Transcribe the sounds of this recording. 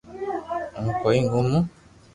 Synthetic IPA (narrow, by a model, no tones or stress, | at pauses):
ŋukɔiŋɡumu